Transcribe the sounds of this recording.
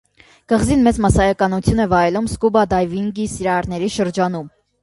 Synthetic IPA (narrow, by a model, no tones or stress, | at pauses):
ɡ̥əʁzinmɛt͡smɑsɑjɑkɑnut͡sʰjunɛvɑjɛlumskubɑd̪ɑjviŋɡisiɾɑɾnɛɾiʃəɾd͡ʒɑnum